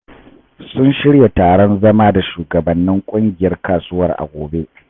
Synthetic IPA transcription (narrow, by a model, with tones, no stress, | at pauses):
sʊ˦nʃɪ˦ɽja˨taː˨ɽɔ˦nzɐ˦maː˦da˨ʃuː˨ɡɐ˨bɐ˨nːɪ˦ŋkʷʼʊ˦ŋɡʲɪ˨jɐ˦rkaː˨suː˦wɐ˦˨rʔa̰˨ɡʷoː˨be˦ʔ